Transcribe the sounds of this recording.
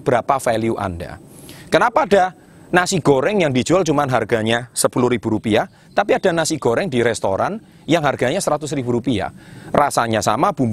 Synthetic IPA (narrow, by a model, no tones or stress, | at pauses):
b̥əɾapafɛliuʔa̰nda̰ | kənapaːda̤ | nasiɡ̥oɾɛŋjaŋdi̥d͡ʒualt͡ʃumanɦarɡa̤ɲasəpuluhɾib̥ṳɾupia | t̪apiad̥a̤nasiɡ̥oɾɛŋdiɾɛst̪o̰ɾan | jaŋɦarɡ̥a̤ɲasəɾat̪ʊsribuɾupia̰rasaɲasa̰mab̥ṳmb